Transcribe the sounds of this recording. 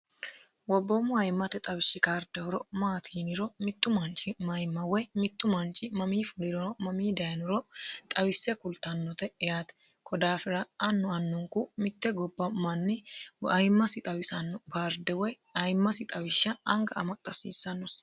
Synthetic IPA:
wɔbːɔmʊɐjmːɐt̪ɛt̪ʼɐwɪsːɪkaːɾd̪ɛhɔɾɔmaːt̪ʰiːnɪɾɔmɪt̪ːʊmɐnt͡ʃʼːɪmɐjmːɐwɔjmɪt̪ːʊmɐnt͡ʃʼːɪmɐmiːfʊlɪɾɔmɐmiːd̪ɐjnʊɾɔt̪ʼɐwɪsːɛkʊlt̪ɐnːɔt̪ɛɛjaːt̪ɛ̥ | kʰɔd̪aːfɪɾɐɐnːɔɐnːʊŋkʊmɪt̪ːɛɡɔbːɐmɐnːɪɐjmːɐsɪt̪ʼɐwɪsɐnːɔkaːɾd̪ɛwɔjɐjmːɐsɪt̪ʼɐwɪʃːɐːŋɡɐɐmɐt̪ʼːɐsḭːsːɐnːɔs

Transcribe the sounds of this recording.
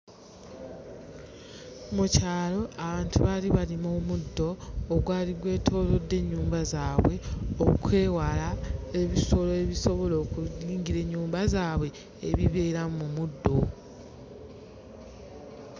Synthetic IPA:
mucaːlo̞ʔaβaːntuβaliβalimomudːo̞ːɡwaːliɡwe̞ːtʰo̞ːlo̞dːe̞ɲːuːmbazaːβwe̞okʰe̞ːwalae̞βiso̞loeβiso̞βo̞lo̞ːkuiːɲɟiɾe̞ɲːuːmbazaːβwe̞̰ː | βiβe̞ːɾamumudːo̞

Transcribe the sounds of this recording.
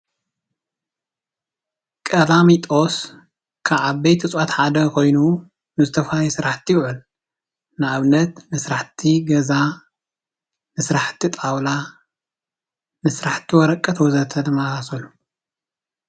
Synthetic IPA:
kʼɐlamit̪ʼos | kʰaβʕaβbɐjt̪ʰɨt͡sʼwat̪ħad̪ɐkʰo̞jnu | nɨzɨt̪ʰɐfajɛsɨɾaħt̪ʰːijɪwʕɨl | nɨaβnːɐt̪nɨsɾaħt̪ʰiɡɐza | nɨsɾaħt̪ʰit̪ʼawla | nɨsɾaħt̪ʰːiwɔɾɐkʼːɐt̪ʰwɔzɐt̪ʰɐnɨmasasɐlːu

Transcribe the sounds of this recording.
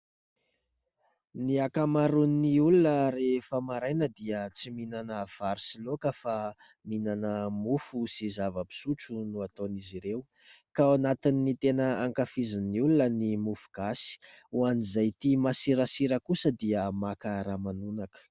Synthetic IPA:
niakamaɾunːiulunərefamaɾajnəd̪iət͡siminanəv̥aɾisilokəfa | minanəmufusizavəbi̥suʈ͡ʂunuat̪oniziɾeu | kaanat̪inːit̪enəaŋkafiziniulunənimufuɡ̥asi̥ | uanizajt̪imasiɾasiɾəkusəd̪iəmakəɾamanunakə̥

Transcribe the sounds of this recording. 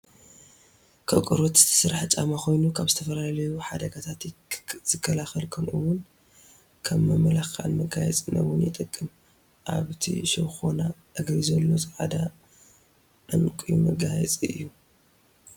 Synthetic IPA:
kʰɐkʼɨɾot̪zɨ̥t̪ʰɐ̥sɨɾaħt͡ʃʼamaxʰo̞jnukʰaβzɨt̪ʰɐfɐlalɐjuħad̪ɐɡat̪ʰat̪jz̥ɨkʰːɐlaxɐlkʰɐmʔɨwʊn | kʰɐmːɐmɐlaxkʰa̰lmɐɡajɛ̰t͡sʼɨnɐ̰wʊnjɪt̪ʼɨkʼːɨm | ʔa̰βt̪ʰḭʃɐwxonaʔɨɡɾizɐlːo̞zʼɨʕad̪a | ʔɨnkʼijumɐɡajɛt͡sʼiɨ̰jːu

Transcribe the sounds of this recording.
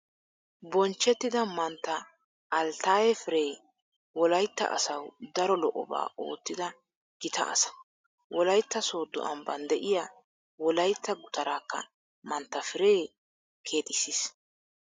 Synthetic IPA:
bɔnt͡ʃːɛt̪ːɪd̪ɐmɐnt̪ːɐː | lt̪aːjɛfɪɾeː | wɔlɐjt̪ːɐ̰ʔɐ̰sɐwd̪ɐɾɔlɔʔɔ̰ba̰ːo̞̰ːt̪ːɪd̪ɐ | ɡ̥ɪt̪ɐ̰ʔɐ̰sɐ̥ | wɔlɐjt̪ːɐso̞ːd̪ːʊ̰ʔɐmbɐnd̪ɛʔɪjaː | wɔlɐjt̪ːɐɡʊt̪ɐɾaːkːɐ̰ | mɐnt̪ːɐfɪɾeː | kʰe̞ːt̪ɪsis

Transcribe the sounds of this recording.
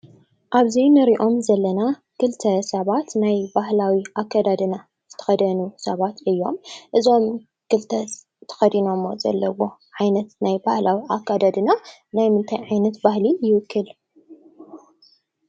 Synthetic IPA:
ʔaβzinɨɾiʔo̞mzɐlːɐna | kɨlt̪ʰɐsɐβat̪najbahlawiʔakʰːad̪ad̪ɨna | z̥ɨt̪ʰɐ̥xɐd̪ɐnusɐβat̪ɨjːo̞mʔɨzo̞m | kɨlt̪ʰɐ | t̪ʰɐ̥xɐd̪ino̞mːo̰zɐ̰lːɐwo̞ʕajnɐt̪najbahlawiʔakːad̪ad̪ɨnanajmɨnt̪ʰajʕajnɐt̪bahlijɪwɨkʰːɨl

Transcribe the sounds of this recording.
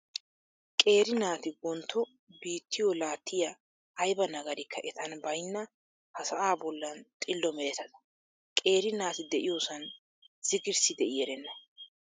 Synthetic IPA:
kʼe̞ːɾɪnaːt̪ɪwɔnt̪ʰːɔ | biːt̪ʰːɪjɔlaːt̪ʰːɪjɐ | ɐjbɐnɐɡɐɾɪkʰːɐʔɛt̪ɐnbɐjnːɐ | hɐsɐʔaːbɔlːɐnt̪ʼɪlːɔmɛɾɛt̪ɐd̪ɐ̥ | kʼe̞ːɾɪnaːt̪ɪd̪ɛʔɪjoːsɐn | z̥ɪɡɪɾsɪd̪ɛʔɪjɛɾɛnːɐ

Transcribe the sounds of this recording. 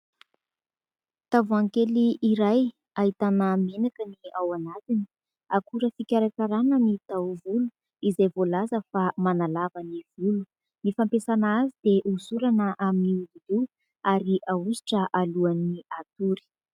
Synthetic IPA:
t̪avuaŋkeliiɾaj | aɦit̪anəminakəniawanazini̥ | akuɾəfikʲaɾakaɾanənit̪awvulu | izajvolazəfamanalavaniv̥ulu̥ | mifampesanazid̪eʔusuɾanəʔaminiulili | aɾiʔausi̥ʈ͡ʂəʔaluaniat̪uɾi̥

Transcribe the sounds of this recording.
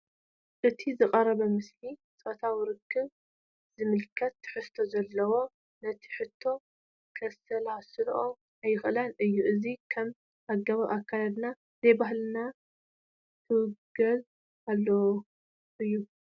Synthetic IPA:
ʔɨt̪ʰizɨqʼɐrɐβɐmɨslit͡sʼot̪ʰawiɾɨkʰːɨβ | z̥ɨmɨlkʰːɐt̪ʰːɨ̥ħɨst̪ʰo̞zɐlːɐwo̞ | nɐt̪ʰi̥ħɨt̪ʰːo̞ | kʰɐsɐlasɨlʔo | ajɪxɨlanɨjːuʔɨzikʰɐm | ʔaɡɐβaʔakʰːalad̪na | zɐjbaɦlɨna | t̪ʰɨwɨɡɐz | aβlːo | ʔɨjːu

